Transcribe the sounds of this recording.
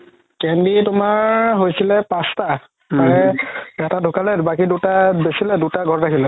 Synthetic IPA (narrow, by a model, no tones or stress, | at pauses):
kɛnditʊmaɹɦojsilɛpãsta | paɛɛtadʱʊkalɛbakidutabesilɛdutaɡʱɔɹɹakilɛ